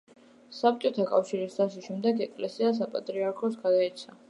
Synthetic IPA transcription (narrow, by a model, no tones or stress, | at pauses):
sap̚t͡ʃʼɔt̪ʰakʼafʃiɾisaʃ̬iʃɛmd̪ɛɡɛkʼlɛsias̬apʼat̪ʼɾiaɾkʰɔsɡad̪aɛt̪sʰa